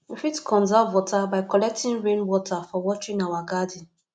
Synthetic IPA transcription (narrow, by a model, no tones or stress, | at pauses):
m̩fitkʰɔ̃nzawɔtabaɪkɔlɛk̚tĩnɹẽnwɔtafɔwɔt͡ʃĩnawaɡadĩn